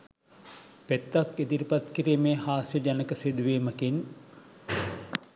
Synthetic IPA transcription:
pet̪ːaked̪iɾipat̪kiɾiːmeːhaːsjəd͡ʒanəkəsid̪uʋiːməkin

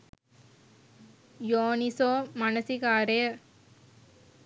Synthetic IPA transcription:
joːnisoːmɐnɐsikaːɾe

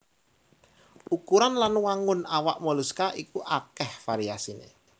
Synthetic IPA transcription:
ukuɾanlanwaŋʊnawaʔmɔluskaʔikuʔakɛhfaɾiasinḛ

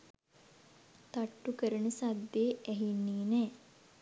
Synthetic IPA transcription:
t̪aʈːukəɾənəsad̪ːeːæɦinːiːnɛː

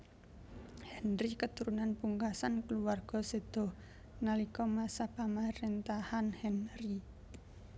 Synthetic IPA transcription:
hɛnrikət̪uɾunanpuŋkasankəluwarɡ̥ɔ̤sed̪̥ɔ̤h | nalikɔmasapamaɾent̪ahanhɛnri

